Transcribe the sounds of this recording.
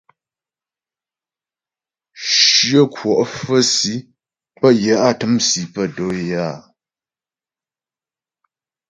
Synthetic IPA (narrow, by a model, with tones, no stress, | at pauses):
ʃɰə˦kwɔ˨ʔfə˦si˨˦ | pə˦jə˨˦ʔa˦˨tɨ˦msi˨˦pə˦˨do˦ja˦˨